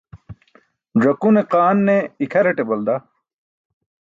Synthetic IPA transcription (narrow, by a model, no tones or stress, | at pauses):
d͡ʑɐkuneqaːnːeikʰɐɾɐʈebɐld̪a